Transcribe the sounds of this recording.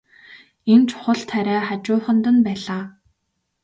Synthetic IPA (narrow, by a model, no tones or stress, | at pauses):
ent͡ɕʰʊ̥χə̆ɮt̪ʰæɾæːχat͡ɕʊːχə̆nt̪ə̆npæːɮaː